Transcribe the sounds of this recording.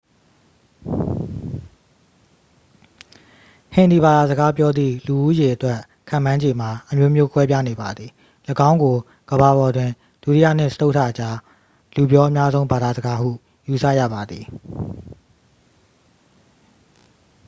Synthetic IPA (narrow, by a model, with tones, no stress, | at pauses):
hɪ̃˨nd̪i˨ba˨d̪a˨zə˨ɡa˦pjɔ˦d̪ðḭ˦˨lu˨ʔu˦je˨ʔətwɛ˦ʔ | kʰã̰˦˨mã˦ɲd͡ʑe˨m̥a˨ʔəmjo˦mjo˦kʰwɛ˦p̬ja˦ne˨ba˨d̪ði˨ | lə˨ɡã˦ʊ̃ŋɡo˨ | ɡ̥əba˨βɔ˨dwɪ̃˨ | d̥u˨ti˦jä̰˦˨n̥ɪ̰̃˦˨sə̥˦tʰo˦˨tʰa̰˦˨ʔət͡ɕa˦ | lu˨bjɔ˦ʔə˦mja˦zõ˦ʊ̃mba˨d̪a˨zə˨ɡa˦hṵ˦˨ | ju˨sä̰˦˨jä̰˦˨ba˨d̪i˨